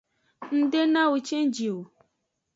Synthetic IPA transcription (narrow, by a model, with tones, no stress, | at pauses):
n̩˦de˦nã˦wo˨t͡ʃẽ˦n˦d͡ʒi˨o˨